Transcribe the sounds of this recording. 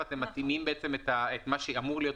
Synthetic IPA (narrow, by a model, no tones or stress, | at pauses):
at̪e̞mːat̪imimbeet͡semet̪aet̪maʃeamuʁlijot